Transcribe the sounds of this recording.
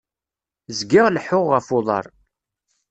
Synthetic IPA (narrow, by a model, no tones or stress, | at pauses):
zɡɪʁləħʊʁʁəfoðˤɑ̰ɾˤ